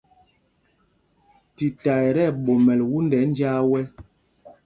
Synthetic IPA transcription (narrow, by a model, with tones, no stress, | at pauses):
ti˨ta˨ɛ˨ɾɛ˦˨ɓo˨mɛ˨lwu˦ndɛ˨˦n˦d͡ʒa˦wɛ˦